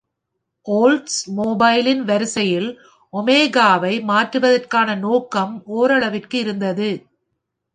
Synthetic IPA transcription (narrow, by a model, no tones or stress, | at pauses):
ʔoːlʈsmoːbɐɪlɪnʋɐɾɯsɐjɪl | ʔɔmeːɣaːʋɐɪmaːʈrɯʋɐðɐrkaːnɐnoːkɐmʔoːɾɐɭɐʋɪrkɯɪɾɯnd̪ɐðɯ